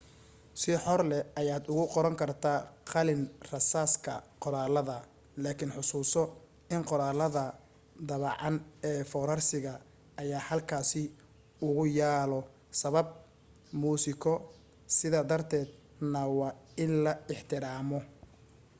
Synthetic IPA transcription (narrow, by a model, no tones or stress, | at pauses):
sɪħɔrlɛɐjaːd̪ʊɣʊqɔɾɐŋkʰɐrt̪ʰaːqɑlɪnrɐsaːskʰɐqɔɾaːlɐðɐ | laːkʰɪnħʊsuːsɔ | ɪnqɔɾaːlɐðɐ | d̪ɐβɑʕɑnɛːfɔːɾɐrsɪɣɐː | jaːhɐlkʰaːsɪ | ʊɣʊjaːlɔ | sɐβɐb̚ | muːsɪkʰɔ | sɪðaːd̪ɐrt̪ʰɛːd̪ | nɐwɑɪnlɐɪħt̪ʰɪɾaːmɔ